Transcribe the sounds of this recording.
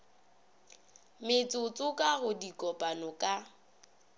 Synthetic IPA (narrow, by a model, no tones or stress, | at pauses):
mɪt͡sʼʊt͡sʼʊkʼaɣʊdikʼɔpʼanɔkʼa